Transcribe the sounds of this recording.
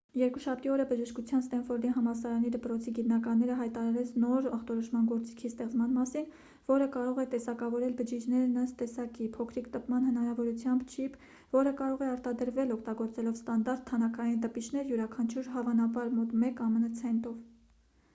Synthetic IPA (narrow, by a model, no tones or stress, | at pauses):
jɛɾkuʃɑp̚ʰt̪iɔɾəbəʒəʃkut͡sʰjɑnst̪ɛnfɔɾd̪iɦɑmɑsɑɾɑnid̪əpɾɔt͡sʰiɡit̪nɑkɑnːɛɾəɦɑjt̪ɑɾɑɾɛt͡sʰnɔɾɑχt̪ɔɾɔʃmɑnɡɔɾt͡si̥kʰist̪ɛχt͡smɑnmɑsin | vɔɾəkɑɾɔʁɛt̪ɛsɑkɑvɔɾɛlbəd͡ʒid͡ʒnɛɾnəst̪ɛsɑkipʰɔkʰɾikt̪əpmɑnhənɑɾɑvɔɾut͡sʰjɑmbt͡ʃʰipʰ | vɔɾəkɑɾɔʁɛɑɾt̪ɑd̪əɾvɛlɔkʰt̪ɑɡɔɾt͡sɛlɔvst̪ɑnd̪ɑɾt̪ʰːɑnɑkʰɑjint̪əpit͡ʃʰnɛɾjuɾɑkʰɑnt͡ʃʰuɾɦɑvɑnɑbɑɾmɔt̪mɛkɑmənət͡sʰɛnt̪ɔv